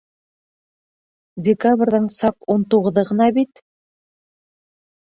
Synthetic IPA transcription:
dʲɪkabrʲðɤɴsɑqunt̪uʁɤ̆ðɤʁɤ̆nɑbit̪

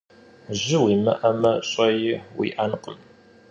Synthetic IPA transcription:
ʑɪwimɐ̰ʔɐmɐɕʼɐjɪwḭʔanqəm

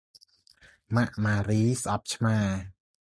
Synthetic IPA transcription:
maʔmaːɾiːsʔɑp̚t͡ɕʰmaː

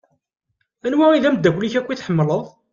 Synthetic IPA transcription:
ænwæiðæməd̪ːækʷliçækʷːiθħəmːləðˤ

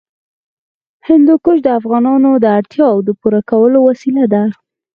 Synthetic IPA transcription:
hɪnd̪okoʃd̪əafɣɑnɑnod̪əaɽt̪jɑwd̪əpuɾakawəlowasilad̪aɾ

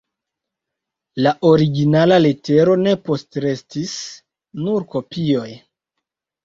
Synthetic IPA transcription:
laʔo̞ɾiɡinalalete̞ɾo̞ne̞po̞stɾe̞stis | nuɾko̞pio̞j

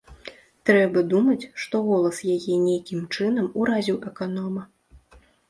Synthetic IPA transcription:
t̪ɾɛbɐd̪umɐt͡sʲʂt̪ɔɣɔlˠɐsjajɛnʲejkʲimt͡ʂɨnɐmuɾazʲiwʔɛkanɔmɐ

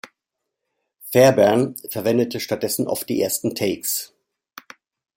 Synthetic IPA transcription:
fɛɐbɛɐnfɛɐvɛndətʰəʃtat̚d̥ɛsn̩ʔɔ̰ʊft̚d̥ḭːʔeːɐstn̩tʰɛɪks

